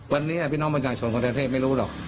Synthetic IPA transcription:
wa˧nːiː˦˥ni˧˩pʰiː˥˩nɔː˦˥ŋpa˧˩t͡ɕaː˨˩t͡ɕʰo˧˩nko˧t̪ːʰeː˥˩t̚ma˥˩jɾuː˦˥lɔː˨˩k̚

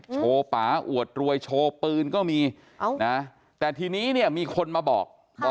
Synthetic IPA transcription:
t͡ɕʰoː˧paː˩˦ʔṵ˨˩ət̪̚ɾu˧əjt͡ɕʰoː˧pɯː˧nkɔː˥˩miː˧ | na˦˥ | t̪ɛː˨˩t̪ʰiː˧niː˦˥ni˥˩əmiː˧kʰo˧nmaː˧bɔ̰ː˨˩k̚ː

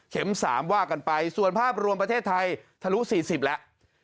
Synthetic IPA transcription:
kʰe˩˦msa̰ː˩˦mwaː˥˩ka˧npa˧jsu˨˩ənpʰaː˥˩p̚ɾu˧əpɾa˧t̪ʰeː˥˩t̪ʰːa˧jt̪ʰa˧lu˦˥ʔsiː˨˩si˨˩p̚lɛ˦˥ʔ

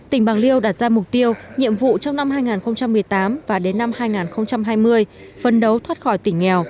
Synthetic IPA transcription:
t̪ï˧˩ŋ̟ɓaː˨˩ŋli˧əwɗaː˨˧˩t̚z̥aː˧mʊ˨˩k͡p̚t̪i˧əwɲḭ˧˨əmvṵ˧˨t͡ɕɔ˧wŋ͡mna˧mhaː˧jŋaː˨˩nxə˧wŋ͡mt͡ɕa˧mːɨ˨˩əjt̪aː˨˦mvaː˨˩ɗe˨˦nːa˧mhaː˧jŋaː˨˩nxə˧wŋ͡mt͡ɕa˧mɦaː˧jmɨ˧əj | fə˨˩nɗə˨˦wt̪ʰwaː˦˥t̚xɔ˧˩jt̪ï˧˩ŋ̟ːɛ˨˩w

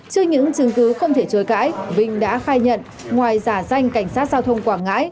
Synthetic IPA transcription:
t͡ɕɨ˧əɲɨ̰˧˥ŋt͡ɕɨ˨˦ŋkɨ˨˦xə˧wŋ͡mt̪ʰe˧˩t͡ɕəː˨˦jka̰ː˧˥jvï˧˩ŋ̟ɗa̰ː˧˥xaː˧jɲə̰˧˨n | ŋwaː˨˩jzaː˧˩za˧jŋ̟ka˧˩jŋ̟saː˦˥t̚zaː˧wt̪ʰə˧wŋ͡mkwaː˧˩ŋŋa̰ː˧˥j

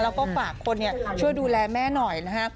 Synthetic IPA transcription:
lɛ˦˥wkɔː˥˩faː˨˩kʰːo˧nːi˥ɐt͡ɕʰu˥˩əjduː˧lɛː˧mɛː˥˩nɔ˨˩jna˦˥kʰa˦˥

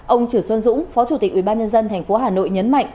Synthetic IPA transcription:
ʔə˧wŋ͡mt͡ɕɨː˧˩swə˧nzʊ̰˧˥ŋ͡mfɔ˨˦t͡ɕu˧˩t̪ï˨˩k̟̚wi˧˩ɓaː˧nɲə˧nzə˧nt̪ʰɛ˨˩jŋ̟fo˨˦ɦaː˨˩no̰˧˨jɲə˨˦nma̰˧˨jŋ̟

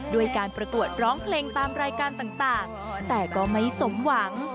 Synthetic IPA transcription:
du˧˩əjkaː˧npɾa˧ku˨˩ət̪̚ɾɔː˦˥ŋpʰleː˧ŋt̪aː˧mɾaː˧jkaː˧nt̪aː˨˩ŋt̪aː˨˩ŋ | t̪ɛː˨˩kɔː˥˩ma˥˩jso˩˦mwa˩˦ŋ

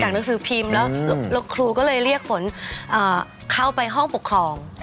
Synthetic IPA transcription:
t͡ɕaː˨˩k̚na˦˥ŋs̬ɯː˩˦pʰi˧mlɛː˦˥wllo˧kʰɾuː˧kɔː˥˩lɤː˧jɾi˥˩ək̚fo˩˦nʔɤː˨˩ | kʰa˥˩wpa˧jɦɔ˥˩ŋpo˨˩kʰɾɔː˧ŋ

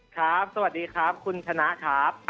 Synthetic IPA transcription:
kʰɾa˦˥p̚sa˧wa˨˩diː˧kʰɾa˦˥p̚kʰu˧nt͡ɕʰa˧na˦˥ʔkʰaː˦˥p̚

